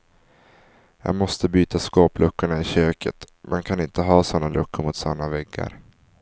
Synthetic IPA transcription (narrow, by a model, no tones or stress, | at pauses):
ja̰ːɡmɔst̪əbyːt̪askoːplɵkːʊɳaɪɕøːkʰə̰t̪ | mʔɛnkʰanɪnt̪əɦɑːsɔnːalʔɵkːəɾmʊt̪sanːavɛɡːa̰ɾ